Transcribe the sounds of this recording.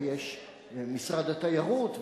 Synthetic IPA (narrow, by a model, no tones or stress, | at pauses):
jeʃ | misʁad̪at̪ajaʁut̪